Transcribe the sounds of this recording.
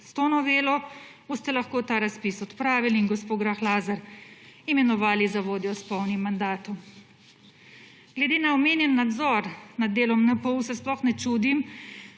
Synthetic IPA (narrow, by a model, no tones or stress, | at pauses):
st̪oːnɔʋeːlɔ | ost̪ɛlaxkoːt̪aːɾaspisɔt̪pɾaːʋiliinɡɔspoːɡɾaxlaːzaɾimɛnɔʋaːlizaʋoːd̪jɔspɔwnimːand̪aːt̪ɔm | ɡ̥lɛd̪eːnaɔmeːnjɛnːad̪zɔɾnad̪̚ːeːlɔmnəpɔwsɛsplɔxnɛt͡ʃuːd̪im